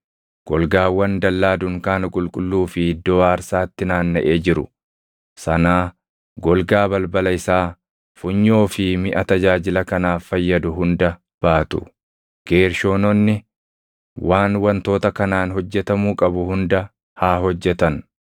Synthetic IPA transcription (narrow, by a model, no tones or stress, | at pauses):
ɡ̥ɔlɡaːwɐnd̪ɐlːaːd̪ʊŋkaːnɐkʼʊlkʼʊlːuːfɪɪd̪ːoːaːɾsaːt̪ːɪnaːnːɐʔe̞ːd͡ʒɪɾʊ̰ | sɐnaː | ɡɔlɡaːbɐlbɐlɐɪsaː | fʊɲːo̞ːfɪmɪʔɐt̪ɐd͡ʒaːd͡ʒɪlɐkɐnaːfːɐjːɐd̪ʊɦʊnd̪ɐ | b̥aːt̪ʊ | ɡ̥e̞ːɾʃo̞ːnɔnːɪ | waːnwɐnt̪o̞ːt̪ɐkɐnaːnhɔd͡ʒːɛt̪ɐmuːkʼɐbʊhʊnd̪ɐ | haːɦɔd͡ʒːɛt̪ɐn